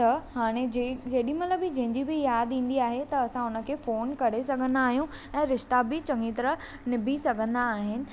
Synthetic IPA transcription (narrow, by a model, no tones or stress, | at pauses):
t̪ɐɦaːɽ̃ed͡ʑd͡ʑɐɦɗĩmɐt̪ləbɪd͡ʑɐ̃ɦɪ̃ɲd͡ʑibɪjaːd̪ĩːn̆d̪iaːɦet̪ɐɐsãʊnə̆kʰeːfoːnkɐɽesɐɡʱə̃nd̪aːɦijũ | ɛ̃ːɾɪʃt̪abɪt͡ɕɐ̃ŋɡit̪ɐɾə | nɪbʱisɐɡʱə̃nd̪aːɦɪnɪ̆